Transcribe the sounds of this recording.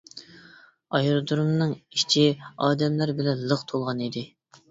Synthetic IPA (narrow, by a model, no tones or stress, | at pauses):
ɑjɾd̪uɾumnɨŋi̥t͡ʃʰiɑːd̪ɛmlæɾbɪlɛnlˠəχt̪ʰolˠʁɑnid̪ɪ